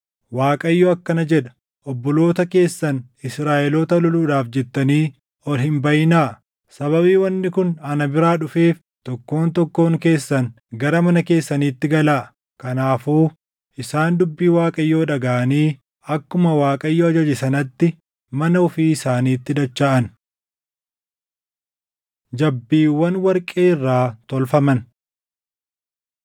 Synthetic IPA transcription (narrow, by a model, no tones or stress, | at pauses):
waːkʼɐjːoːɐkːɐnɐd͡ʒɛᶑɐ̥ | ʔɔbːɔlo̞ːt̪ɐke̞ːsːɐn | ɪsɾaːʔɛloːt̪ɐlɔluːᶑaːfd͡ʒɛt̪ːɐniː | ɔlhɪmbɐjɪnaː | sɐβɐβiːwɐnːɪkʊnɐnɐbɪɾaːᶑʊfe̞ːf | t̪ɔkːo̞ːnt̪ɔkːo̞ːŋke̞ːsːɐn | ɡɐɾɐmɐnɐke̞ːsːɐniːt̪ːɪɡɐlaː | kɐnaːfuː | ʔɪsaːnd̪ʊbːiːwaːkʼɐjːo̞ːᶑɐɡaːʔɐniː | ɐkːʊmɐwaːkʼɐjːoːɐd͡ʒɐd͡ʒɪsɐnɐt̪ːɪ | mɐnɐʊfiːɪsaːniːt̪ːɪd̪ɐt͡ʃːaːʔɐn | d͡ʒɐbːiːwːɐnwɐɾkʼeːɪrːaːt̪ɔlfɐmɐn